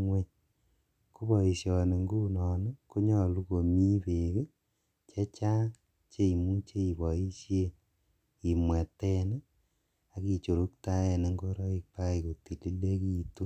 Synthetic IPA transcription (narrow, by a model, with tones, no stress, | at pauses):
ŋwe˦ | ku˦βɔ˨i˨sjɔ˨ne˨ŋɡu˦nɔ˨ne˦ko˦ɲɔ˦lu˦ko˨mi˦pe˨ɣe˦ | t͡ʃe˦t͡ʃa˦ | t͡ʃe˦i˨mu˦t͡ʃe˦i˨βɔ˨i˦sje˦ | i˨mwɛ˨tɛ˦ne˦ | a˨ki˨t͡ʃo˨ɾu˦kta˦ɛ˨ne˨˦ŋɡo˦ɾɔ˦i˦k̚pa˦i˨ko˨ti˨li˦le˦ki˦tu˦